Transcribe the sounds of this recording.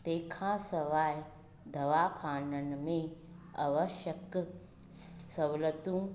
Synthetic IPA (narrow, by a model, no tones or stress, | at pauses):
t̪eːkʰãːsɐʋaːj | d̪ʱɐʋaːkʰaːnɐnmeː | ɐ̰ʋɐʃɐk | sɐʋlɐt̪ũ